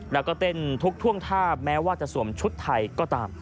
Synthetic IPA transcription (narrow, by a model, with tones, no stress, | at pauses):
lɛː˦˧˩wkɔː˥˩p̪e˧˩nt̪ʰu˦˥k̚t̪ʰu˥˩əŋt̪ʰaː˥˩p̚mɛː˦˥waː˥˩t͡ɕa˨˩ʔsu˩˦əmt͡ɕʰu˦˥t̪ʰːa˧˩jkɔː˥˩t̪a̰ː˧m